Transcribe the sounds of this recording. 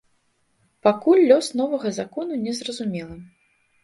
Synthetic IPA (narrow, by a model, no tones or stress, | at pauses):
pakulʲːɔsnɔvɐɣɐzakɔnunʲɛzrɐzumʲɛlˠɐ